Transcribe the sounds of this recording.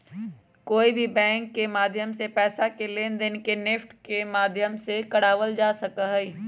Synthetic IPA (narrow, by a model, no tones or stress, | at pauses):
koːibʱibɛ̃ːŋkːemaːd̪ʱjəmsepɛːsakelend̪ɪnkenɪfʈkemaːd̪ʱjəmsekɐɽaːʋəld͡ʒaːsɐkəɦɛi